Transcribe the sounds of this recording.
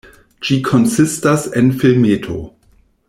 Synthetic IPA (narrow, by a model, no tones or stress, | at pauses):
d͡ʒikʰonsɪstasenfilmetʰo̰